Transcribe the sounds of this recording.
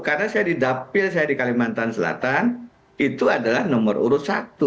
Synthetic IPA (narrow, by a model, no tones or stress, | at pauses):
karnasajadidapɪlsajadikalimant̪ansəla̰t̪an | it̪uadalahnɔmərṵɾʊsat̪u